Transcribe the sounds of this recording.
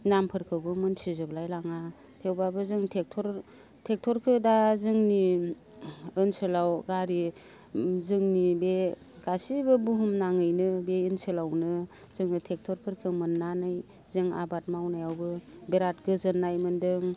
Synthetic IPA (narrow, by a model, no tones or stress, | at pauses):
nampʰɯɾkʰɯwbɯmɯnsʰizɯblajlaŋa | tʰewbabɯzɯŋtʰek̚tʰɔɾ | tʰek̚tʰɔɾkʰɯdazɯŋni | ɯnsɯlawɡaɾi | zɯŋnibe | ɡasibɯbuɦumnaŋɯjnɯbeinsɯlawnɯ | zɯŋnɯtʰek̚tʰɔɾpʰɯɾkʰɯmɯnːanɯj | zɯŋa̰bat̚mawnajawbɯbeɾat̚ɡɯzɯnːajmɯndɯŋ